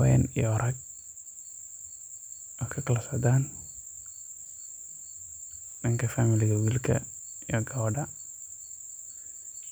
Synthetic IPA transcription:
wɛ̰nɪjɔɾɐɡ̚ | ɔkʰɐkɐlɐsɔd̪aːn | nɪŋkɐfaːmɪlɪɣɐwilkʰɐ̰ | ɪjɔɡɐwɐɖɐ

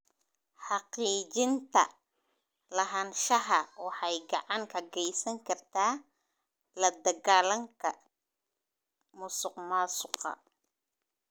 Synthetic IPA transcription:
ħɑqiːt͡ʃɪnt̪ʰɐ̰ | lɐɦanʃɐɦɐwɑħɑjɡɑʕɑŋkʰɐɡɛjsɐŋkʰɐrt̪ʰaː | lɐd̪ɐɣaːlɐŋkʰɐ | mʊsʊqmaːsʊqɑ̰

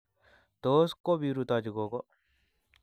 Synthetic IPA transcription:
t̪oːskobiɾut̪ad͡ʒuɡoɡo

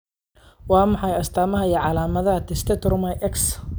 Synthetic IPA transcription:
wɑːmɑħɑjɐst̪ʰaːmɐɦɐiʕɑlaːmɐðɐɦɐt̪ʰɪst̪ʰɛt̪ʰɔrmɐjʔɛks

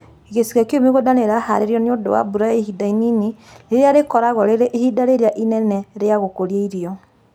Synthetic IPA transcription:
eɣesiɣakeomeɣodaneɾahaɾeɾjɔneodo̰wa̰buɾaeɦidaininiɾeɾeaɾekɔɾaɣɔɾeɾeʔhidaɾeɾeaʔinɛnɛɾeaɣokoɾieiɾiɔ

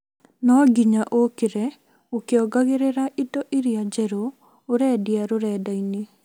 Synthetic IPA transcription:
nɔɡiɲaʔokeɾɛ | okeɔɡaɣeɾeɾaʔitɔʔiɾiad͡ʒɛɾo | oɾɛdjaɾoɾɛdaine

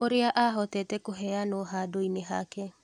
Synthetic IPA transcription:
oɾeaʔaɦɔtɛːtɛkoɦɛanoɦadoineɦake

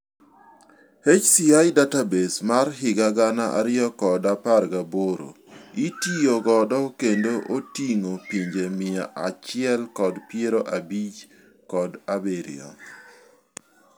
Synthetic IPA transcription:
het͡ʃsiajdatabesmarɦɪɡaɡanaʔa̰ɾɪjɔkɔdaparɡaboɾo̰ | itioɡɔdɔkendoʔotiŋopiɲd͡ʒemɪjaʔat͡ʃɪɛlkɔdpjeɾoʔabit͡ʃ | kɔdabeɾɪ̰ɔ̰

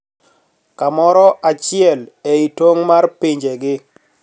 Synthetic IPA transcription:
kamɔɾɔʔat͡ʃɪɛleitwoŋmarpiɲd͡ʒeɡɪ

